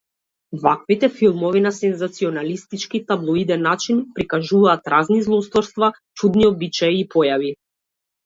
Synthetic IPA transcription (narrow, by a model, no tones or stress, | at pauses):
vakvit̪ɛfilˠmɔvinasɛnzat̪siɔnalist̪it͡ʃkit̪ablˠɔid̪ɛnːat͡ʃinpɾikaʒuvaːt̪ɾaznizlˠɔst̪vɔɾst̪va | t͡ʃud̪niɔbit͡ʃaiːpʰɔjavi